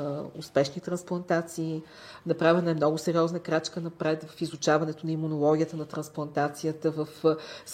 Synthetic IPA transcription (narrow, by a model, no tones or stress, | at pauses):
ʊspɛʃnit̪ɾɐnsplˠɐnt̪at̪siː | nɐpɾavʲənəɛmnɔɡʊsɛɾiɔznəkɾat͡ʃkənɐpɾɛt̪vɐfizʊt͡ʃavɐnɛt̪oʊnɐimunolˠɔɡʲiət̪ənɐt̪ɾɐ̃nsplˠɐnt̪at̪sijət̪əvəfs